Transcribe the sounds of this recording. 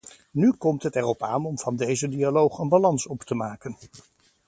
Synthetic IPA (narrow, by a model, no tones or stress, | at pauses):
nykɔmtɦətɛrɔpa̰ːnɔmv̥ɑndejzədialowχənbalɑnsɔptəmaːkən